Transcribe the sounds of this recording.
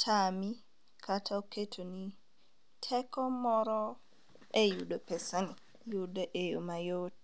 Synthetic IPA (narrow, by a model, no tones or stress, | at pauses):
tʰami | kʰatʰawketʰoni | tʰɛkɔmɔɾɔ | ʔɛjuɗɔpɛsani | judɛʔejṵmajot